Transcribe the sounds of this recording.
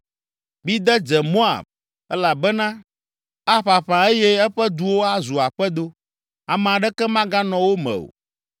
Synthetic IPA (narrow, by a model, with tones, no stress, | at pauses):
bi˦d̪ɛ˦d͡ʒɛ˨mo˦a̰˨b̚ | ɛ˦la˨bɛ˦nã˦ | a˦ɸa˨ɸã˨e˦jɛ˦ɛ˦ɸɛ˦d̪u˦wo˦a˦zu˨a˨ɸɛ˦d̪o˦ | a˨m˨a˨ɖɛ˦kɛ˦mã˦ɡã˦nɔ̃˨wo˦mɛ̰̃˨o̰˨